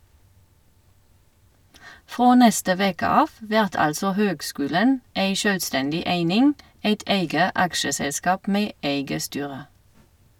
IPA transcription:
ˈfʁoː ˈnɛstə ˈʋeːkə ˈɑːf ˈʋæʁt ˈɑlsɔ ˈhøːɡˌskʉːlən ˈæɪ ˈʃœlˌstɛndɪ ˈæɪnɪŋ ˈæɪt ˈæɪɡə ˈɑkʃəˌsɛlˌskɑːp ˈmeː ˈæɪɡə ˈstyːʁə

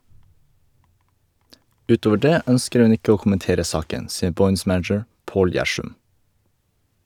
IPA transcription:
ˈʉːˌtoːʋə ˈɖeː ˈœnskəɾ ˈhʉn ˈɪkə ˈoː kʊmənˈteːɾə ˈsɑːkən ˈsiːə ˈbɔʏns ˈmænəd͡ʒəɹ ˈpoːl ˈjæʃʉm

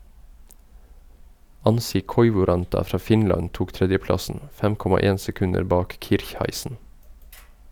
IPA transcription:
ˈɑnsɪ ˈkɔʏʋʊˌɾɑntɑ ˈfɾɑː ˈfɪnlɑn ˈtuːk ˈtɾɛdjəˌplɑsən ˈfɛm ˈkɔmɑ ˈeːn sɛˈkʉnəɾ ˈbɑːk ˈkɪɾçhæɪsən

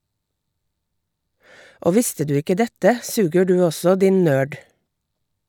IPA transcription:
ˈoː ˈʋɪstə ˈdʉː ˈɪkə ˈdɛtə ˈsʉːɡə ˈɖʉː ˈɔsɔ ˈdɪn ˈnøːɖ

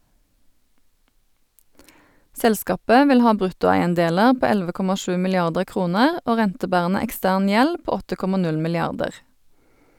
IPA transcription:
ˈsɛlˌskɑːpə ˈʋɪl ˈhɑː ˈbʁʉtʊæɪənˌdeːləʁ ˈpoː ˈɛlʋə ˈkɔmɑ ˈʃʉː mɪlɪˈɑʁdəʁ ˈkʁuːnəʁ ˈoː ˈʁɛntəˌbæːʁənə ɛkˈstæːʁn ˈjɛl ˈpoː ˈɔtə ˈkɔmɑ ˈnʉl mɪlɪˈɑʁdəʁ

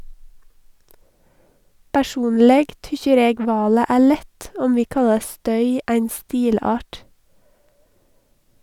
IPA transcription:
pæˈʃuːnlɛɡ ˈtʏçəɾ ˈeːɡ ˈʋɑːlə ˈæː ˈɭɛt ˈɔm ˈʋiː ˈkɑlɑɾ ˈstœʏ ˈæɪn ˈstiːˌlɑːʈ

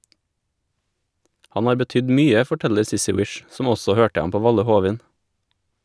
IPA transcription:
ˈhɑn ˈhɑːɾ bəˈtʏd ˈmyːə fɔˈʈɛʎəɾ ˈsɪsɪ ˈwɪʃ ˈsɔm ˈɔsɔ ˈhøːʈə ˈɑm ˈpoː ˈʋɑʎə ˈhuːʋɪn

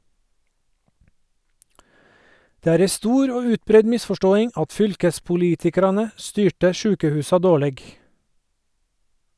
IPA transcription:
ˈdeː ˈæːɾ ˈɛ ˈstuːɾ ˈoː ˈʉːtˌbɾɛɲ ˈmɪsfɔˌʃtoːɪŋ ˈɑt ˈfʏlkəspʊˌliːtɪkɑɾɑnə ˈstyːʈə ˈʃʉːkəhʉːsɑ ˈdoːˌɭeːɡ

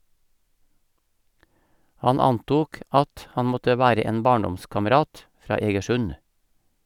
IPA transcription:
ˈhɑn ˈɑnˌtuːk ˈʔɑt ˈhɑn ˈmɔtə ˈʋæːɾə ˈeːn ˈbɑːɳˌdɔmskɑməˌɾɑːt ˈfɾɑː ˌeːɡəˈʃʉn

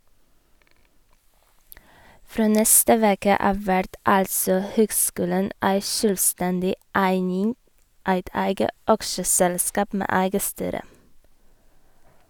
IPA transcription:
ˈfɾoː ˈnɛstə ˈʋeːkə ˈɑːʋ ˈʋæɾd ˈɑlsɔ ˈhøːɡˌskʉːlən ˈæɪ ˈʃøːlˌstɛndɪ ˈæɪnɪŋ ˈæɪt ˈæɪɡə ˈɑkʃəsɛlˌskɑːp ˈmeː ˈæɪɡə ˈstyːɾə

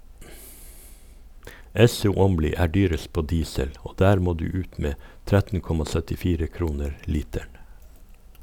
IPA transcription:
ˈɛsʊ ˈɔmliː ˈæː ˈɖyːɾəs ˈpoː ˈdiːsəl ˈoː ˈdæːɾ ˈmoː ˈdʉː ˈʉːt ˈmeː ˈtɾɛtn̩ ˈkɔmɑ ˌsœtɪˈfiːɾə ˈkɾuːnəɾ ˈliːtæɳ

